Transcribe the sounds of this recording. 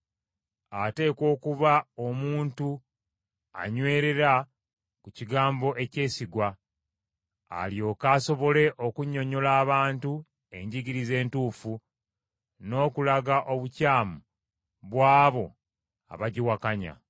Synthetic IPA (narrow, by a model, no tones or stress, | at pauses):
ate̞ːko̞ːkuβaomuːntu | a̰ɲwe̞ːɾe̞ɾa | kuciɡaːmbo̞ʔe̞ce̞ːsiɡwa | ljo̞ːkaːso̞βo̞le̞ʔo̞kuɲo̞ɲo̞laːβaːntu | e̞ɲɟiɟiɾize̞ːntuːfu | no̞ːkulaɡaʔo̞βucaːmu | βwaːβo̞ | a̰βaɟiwakaɲa̰